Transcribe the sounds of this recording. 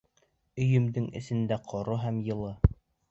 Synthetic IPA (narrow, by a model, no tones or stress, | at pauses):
ɵ̆jɵ̆md̪ɘŋɘ̰̆sɘ̆nd̪æqʰŏɾoɦæmjɤ̆lˠɤ